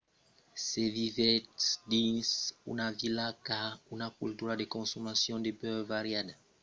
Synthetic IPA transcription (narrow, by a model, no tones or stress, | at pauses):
sevivɛtd̪insṵnavilakaunakult̪uɾadekɔ̃somasjɔ̃d̪epøvaɾjada